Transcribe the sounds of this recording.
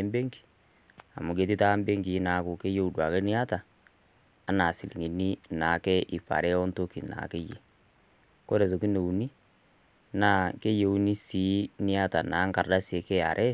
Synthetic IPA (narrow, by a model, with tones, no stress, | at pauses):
mbe˦ŋɡi̥˨ | a̰˨mu˨ɡe˨ti˦ta˦mbe˦ŋɡi˨˦na˨˦kʊ˨ke˦je˦u˨dwa˨ke˦nɪ˦a˦ta˨ | a˦na˨si˨lḭ˨ŋi˨ni˦na˨kɛ˦ʔi˨pa̰˨ɾɛ˦ɔ˦nto˦ki˨na̰˨ke˦jḛ˨ | ko˦ɾe˨s̬o˨ki˦no˨u˨ni˦ | naː˦˨ke˦je˨u˦ni˦si˨˦nɪ˦a˦ta˨na˨˦ŋka˨rda˦se˨kɛ˦a̰˨ɾʔɛ˦